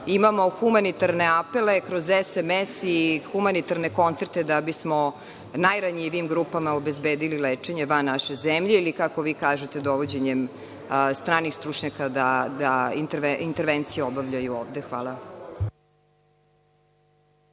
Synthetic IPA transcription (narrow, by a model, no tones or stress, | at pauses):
imamo̞xumanit̪aɾne̞ape̞le̞kɾozɛsemɛsixumanit̪aɾneko̞nt̪seɾt̪e̞d̪abismo | najɾaɲiʋiimɡɾupamaobezbeːd̪ilileːt͡ʂe̞ɲeʋanaʃezemʎeilikakoʋiːkaːʒet̪e̞d̪oʋod͡ʑeɲem | st̪ɾaːnixst̪ɾut͡ʂɲakad̪ad̪aint̪int̪eɾʋent̪sijeobaʋʎajuoːʋd̪exʋa̰ːla